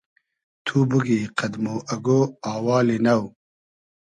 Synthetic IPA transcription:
t̪ʰubuɡiːqɐd̪moːʔɐɡoːaːwɑːlinɐw

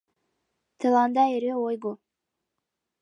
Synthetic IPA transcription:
t̪ʰɨlˠɑnd̪ɑeɾeojɡo

